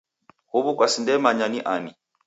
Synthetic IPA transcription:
huβukwasindɛmaɲaniʔani

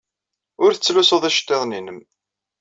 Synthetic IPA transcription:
ʊɾθət͡sːlʊsəðˤæʃt̪ːeðˤninəm

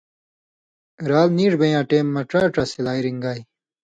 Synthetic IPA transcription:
ɾaːlniːʐbɐjãːʈeːmːɐʈaːʈ͡ʂɐsilaːjɾiŋɡaːj

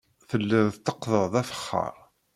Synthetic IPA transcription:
θəlːɪðt̪ːəqðəðˤæfə̥χːə̰ɾˤ

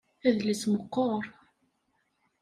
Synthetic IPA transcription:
æðləsməqːoɾˤ

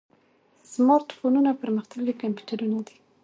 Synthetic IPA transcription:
smɑɾʈfonunapəɾməxt̪aɡwikampjuʈaɾunad̪i̥

